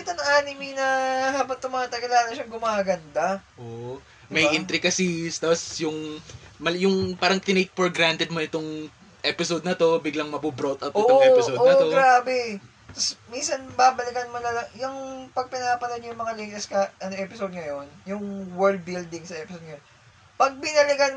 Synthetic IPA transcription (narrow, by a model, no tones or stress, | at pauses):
kɪt̪ɐnɐŋʔaːnɪminɐɦaːbɐt̪ʊmɐŋat̪ɐɡɐlanɐʃɐŋɡʊmaːɡɐnd̪ɐʔoʔ | mɐjʔɪnt̪ɾɪɡɐsist̪aːpɐsjʊŋmɐljʊŋpaːɾɐŋt̪ɪnejk̪̚foɹɡɾant̪ɛd̪̚moʔɪt̪oŋ | ʔɛpɪsod̪̚nɐt̪o̞bɪɡlɐŋmɐbubɾot̪ɐwt̪ʔoːʔŋɛpɪodʔonɐtoɡɾaːbɛ | t̪ɐsminsɐnbaːbɐlɪkɐnmonɐlɐjʊŋpɐɡ̚pɪnapɐlɐnjʊŋmɐŋaliŋt̪ɛskɐʔɐnoʔɛːpɪsod̪̚ŋɐjo̞njʊŋwɛɹld̪̚bild̪ɪŋsɐʔɛpɪsod̪̚ŋɐjon | pɐɡ̚bɪnɐlɪɡɐn